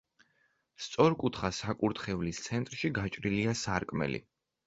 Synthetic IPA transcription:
st̪sʼɔɾkʼut̪ʰχasakʼuɾt̪χɛvlist̪sʰɛnt̪ʼɾʃiɡat͡ʃʼɾiliasaɾkʼmɛ̰lḭ

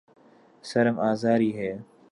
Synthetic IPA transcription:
səɾəmaːzaːɾiːɦeː

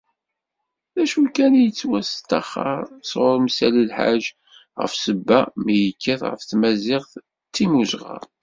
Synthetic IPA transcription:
ðæʃulkænjət͡sːwæst̪ːɑχːə̰ɾˤsʁʊɾmsæləlħa̰ʒ | ʁə̰fsəbːæmijəkʰːæθʁə̰fθmæzɪʁθ | t̪ːimuzʁɑ̰ɾˤ

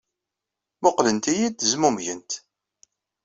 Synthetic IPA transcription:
moqlənt̪ijid̪əzmumʝənt̪

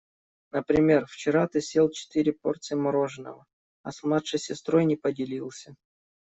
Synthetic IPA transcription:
nəpɾʲɪmʲe̞rft͡ɕɪɾat̪ɨsʲelˠt͡ɕɪ̥t̪ɨɾʲɪpo̞̰rt̪sɨjɪmɐɾo̞ʐɨnə̰və | ɐ̰smlˠat̪ʂɨjsʲɪst̪ɾo̞jnʲɪpədʲɪlʲilˠsʲə

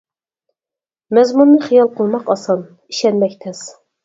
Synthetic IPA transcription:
mɛzmunːɨχijɑlˠqʰəlˠmɑqɑsɑn | iʃɛnmɛkʲt̪ʰɛs

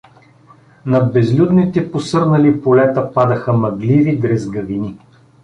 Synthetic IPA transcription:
nɐbɛzlʲud̪nit̪ɛposɤɾnɐlipolɛt̪əpad̪əxəmɐɡlivid̪ɾɛzɡɐvini

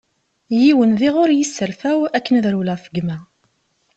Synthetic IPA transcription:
jiwənðiʁʊɾjisːəɾfæwækːənəðɾulæfəɡmæ

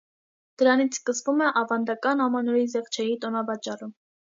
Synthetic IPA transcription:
d̪̥əɾɑnit͡sʰskəsvumɛʔɑvɑnd̪ɑkɑnhɑmɑnɔɾizɛχt͡ʃʰɛjit̪ɔnɑbɑt͡ʃɑrum

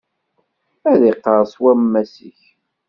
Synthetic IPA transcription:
æðiqːəɾˤswæmːæsḭç

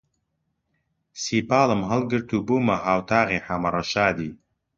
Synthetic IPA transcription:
sipɑːləmɦəlɡəɾt̪ubumaɦaːwt̪aːɣeħamaɾaʃɑːd̪i

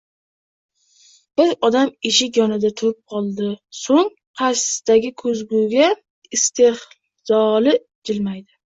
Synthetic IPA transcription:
b̥ɪɾɒd̪amɪʃɪkʲjɒnɪd̪at̪ʰʊɾɪp̚qʰɒlˠd̪ɪsoŋ | qʰɑsd̪̥aɡʲɪkʰɵzɡuɡʲa | ɪst̪ʰeh | z̥ɒlɪ | d͡ʒɪlmajd̪ɪ

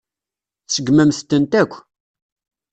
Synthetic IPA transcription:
θsəɡːmæmθt̪ːənt̪ækʷː

